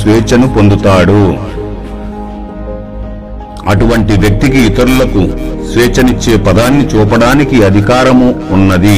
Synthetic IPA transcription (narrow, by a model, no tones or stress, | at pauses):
ʋɛːt͡ʃɐnupo̞nd̪ut̪aːɽu | ɐʈuʋɐɳʈiʋjɐk̚t̪ikiːt̪ɐɾulɐkusʋɛːt͡ʃɐnit͡ʃːe̞ːpɐd̪aːnːit͡ʃuːpɐɽaːnikiɐd̪ʱikaːɾɐmuːnːɐd̪i